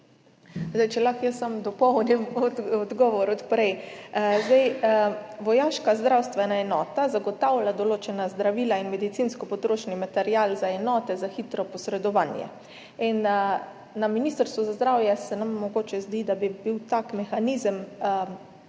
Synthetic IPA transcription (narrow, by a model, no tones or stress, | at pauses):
zd̪ajt͡ʃɛlaxjəsːamd̪ɔpɔwnimɔɔd̪ɡɔʋɔɾɔt̪pɾɛjzd̪ɛj | ʋɔjaːʃkazd̪ɾawst̪ʋɛnaɛnɔːt̪azaɡɔt̪awlad̪oloːt͡ʃɛnazd̪ɾaʋiːlainmɛd̪it̪sinskɔpɔt̪ɾoːʃnimat̪ɛɾiaːlzaɛnɔːt̪ɛzaxit̪ɾɔpɔsɾɛd̪ɔʋaːnjɛ̰ | in | naminist̪əɾst̪ʋuzazd̪ɾawjɛsɛnamːɔɡoːt͡ʃɛzd̪id̪abibiwt̪akmɛxaniːzəm